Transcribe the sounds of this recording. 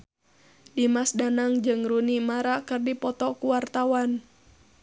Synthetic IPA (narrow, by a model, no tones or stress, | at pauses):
dimasdanaŋd͡ʒɨŋrunimaɾakɨrdipɔt̪ɔkuwart̪awan